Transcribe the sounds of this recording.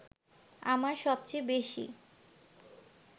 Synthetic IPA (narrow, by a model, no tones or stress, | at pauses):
a̰maɾʃɔbt͡ɕebeʃḭ